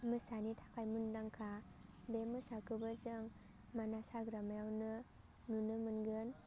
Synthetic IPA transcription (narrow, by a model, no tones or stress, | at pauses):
mɯsanitʰḁkʰajmundaŋkʰa | bemɯsakʰɯbɯzɯŋ | manasaɡɾamajawnɯ | nunɯmɯnɡɯn